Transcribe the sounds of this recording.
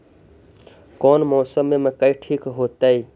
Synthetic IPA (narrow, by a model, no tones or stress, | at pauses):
kɔːnmɔːsəmemekəiʈʰiːkɦot̪əi